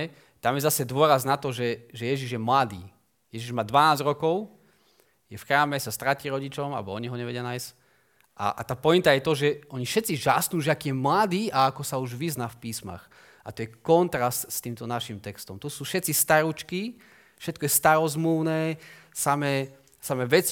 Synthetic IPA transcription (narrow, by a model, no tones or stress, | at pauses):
ɛ | t̪amjɛzasɛd̪ʊɔɾaznat̪ɔʒɛʒɛjɛʒiʒjɛmlad̪ḭː | jɛʒiʒmaːd̪ʋanaːzɾɔkɔʊ | jɛfxɾaːmɛsast̪ɾaciːɾɔɟit͡ʃɔma̰bɔɔɲiɦɔɲɛʋɛɟɪjanajs | ʔa̰ʔt̪aːpɔint̪ajɛt̪ɔʒɛɔɲifʃɛt̪t͡siʒasnuːʒɛakiːjɛmlad̪iːaakɔsauʒʋiznaːfpiːsma̰x | ʔat̪ɔjɛkɔnt̪ɾast̪st̪iːmt̪ɔnaʃimt̪ɛkst̪ɔmt̪ɔsuːfʃɛt̪t͡sist̪aɾut͡ʃki | fʃɛt̪kɔjɛst̪aɾɔzmluʊnɛː | samɛː | samɛʋɛt͡s